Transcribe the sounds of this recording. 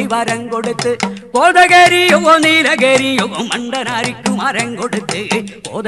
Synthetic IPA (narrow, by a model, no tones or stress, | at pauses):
ɪʋɐɾɐŋkɔɽɯt̪ːɯkoːðɐɣeːɾijɔɣoniːlɐkeɾijɔɣomɐɳɖɐnaːɾikːumaɾɐŋkɔɽɯt̪ːɯko̰ːð